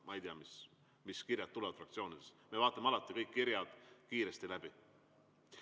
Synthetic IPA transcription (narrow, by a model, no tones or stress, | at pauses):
mʔɑejd̪iɑmis | miskirjɑd̪̚ːulɛ̞vɑd̥̪frɑkt̪sio̞ːnid̪̥esme̞vɑːt̪ˑːɑmeɑlɑt̪ːˑikɤjkːiɾjɑd̪̥kiːɾest̪ilæb̥i